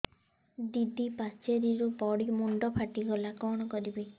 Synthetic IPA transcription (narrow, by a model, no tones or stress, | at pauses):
d̪id̪ipast͡ʃeɾiɾupɔɽimuɳɖɔpʰaʈiɡɔlakɔɽ̃ɔkɔɾibi